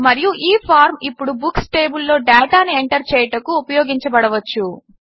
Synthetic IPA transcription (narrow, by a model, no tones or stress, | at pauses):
mɐɾijuʔiːpʰaːɾmipːuɽubuksʈe̞ːbulːo̞ːɖaːʈaːnieɳʈɐɾt͡ʃɛːjɐʈɐkuːpɐjoːɡiɲt͡ʃɐbɐɽɐʋɐt͡ʃːu